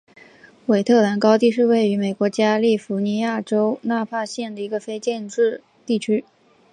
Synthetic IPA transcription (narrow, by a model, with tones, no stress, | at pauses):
we˨˩ɪt̪ʰɤ˥˩la˧˥nkɑ˥ʊt̪i˥˧ʂ̬ɻ̩˥˧we˥˩ɪy˧˥me˨˩ɪkwɔ˧˥t͡ɕja˥li˥˩fu˧˥ni˧˥ja˥˩ʈ͡ʂo˥ʊna˥˧pʰa˥˧ɕjɛ˥˩nd̪ə˩i˧˥ɡə˧fe˥ɪt͡ɕjɛ˥˧nʈ͡ʂɻ̩˥˧ | t̪i˥˩t͡ɕʰy˥